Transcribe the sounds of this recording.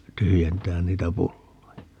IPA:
tyhyjentæːn niːtæ pulːojɑ

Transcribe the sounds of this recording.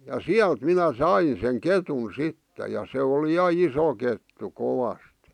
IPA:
jɑ siælt minæ sɑin̞ seŋ ketun̞ sitːe jɑ se oli jɑ iso ketːu koʋɑst

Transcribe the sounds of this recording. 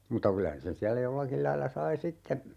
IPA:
mutɑ kylæ sen siælːæ jolːɑkil lɑilːɑ sɑi sitːe

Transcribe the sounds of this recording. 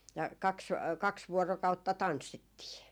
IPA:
jɑ kɑks kɑks ʋuorokɑutːɑ tɑnsːitːiː

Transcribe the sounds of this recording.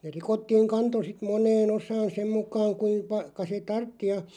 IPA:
ne rikotːiːŋ kɑnto sit monˑeːn osɑːn sem mukɑːŋ kuim pɑ kɑ se tɑrtːi jɑ

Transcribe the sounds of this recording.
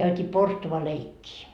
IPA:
kæytʲiː porstuʋɑleikːiː

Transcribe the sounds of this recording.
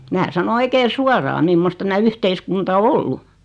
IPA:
mæː sɑno oikeː suorɑː mimːost tæmæ yhteiskuntɑ o olːu

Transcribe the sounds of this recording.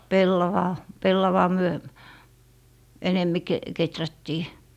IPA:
pelːɑʋɑː pelːɑʋɑː myø enemːi ke ketrætːiː

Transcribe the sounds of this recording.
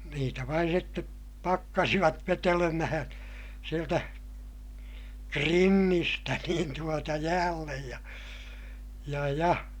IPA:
niːtæ ʋɑin sitːe pɑkːɑsiʋɑt ʋetelemæhæ̃ː sieltæ krinːistæ niːn tuotɑ jæːlːej jɑ jɑ jɑ

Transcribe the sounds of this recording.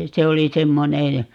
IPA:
se oli semːonej jɑ

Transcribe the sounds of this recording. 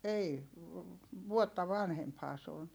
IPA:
ei ʋuotːɑ ʋɑnhemphɑː se on

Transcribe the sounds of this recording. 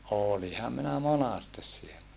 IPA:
oˑlihɑm minæ monɑstes sielːæ

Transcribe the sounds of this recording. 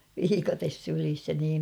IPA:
ʋiːkɑtes sylis jɑ niːm

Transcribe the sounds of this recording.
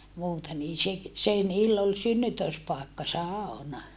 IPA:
muːtɑ niːn se se niːlː ol synːytøˑspɑˑekːɑ sɑˑonɑ

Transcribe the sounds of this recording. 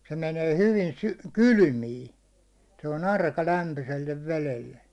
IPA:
se meneː hyʋi sy kyly̆miːn̞ se on ɑrkɑ læmpyselːeʋ ʋelelːe

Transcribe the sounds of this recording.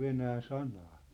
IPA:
ʋenæː sɑnɑː

